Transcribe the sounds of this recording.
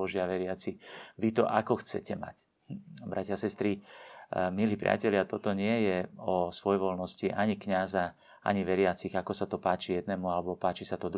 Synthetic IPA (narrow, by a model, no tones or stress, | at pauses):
ɔʒɪaʋɛɾɪat͡siʋit̪ɔ̰ʔakɔxt͡sɛ̰cɛma̰c | bɾacɪasɛst̪ɾi | miliːpɾɪa̰cɛʎɪat̪ɔt̪ɔɲɪɛjɛɔsʋɔjʋɔlnɔsciʔaɲikɲaza | a̰ɲiʋɛɾɪat͡siɣakɔsat̪ɔpaːt͡ʃijɛd̪nɛːmualɛbɔpaːt͡ʃisat̪ɔd̪